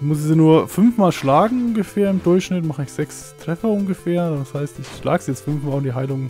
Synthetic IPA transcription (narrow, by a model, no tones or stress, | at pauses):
mʊsɪziːnuːɐfʏnfmaːlʃlaːɡŋ̩ʊnɡəfeːɐɪmdʊɐçʃnɪtmaχəɪçz̥ɛks | tʁ̥ɛfɐʊnɡəfeːɐashaɪstɪçʃla̰ːɡəzijɛt͡stfʏnfmaːlʊndiːɦaɪlʊŋ